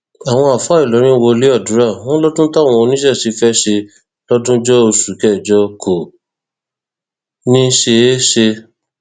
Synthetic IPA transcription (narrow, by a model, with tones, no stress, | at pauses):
a˨w̃ɔ̃˧a˨fa˨˦i˨lɔ˨˦ɾ̃ĩ˦wo˧le˦ɔ˦˨dũ˨˦ɾa˦˨w̃ɔ̃˦lɔ˦dũ˦tã˦˨ɔ̃˧o˧nĩ˦ʃɛ˦˨si˨˦fɛ˦ʃe˧ | lɔ˦dũ˦d͡ʒɔ˦o˧su˨kɛ˦˨d͡ʒɔ˧kʰo˨ | nĩ˦ʃe˧˦ʃe˧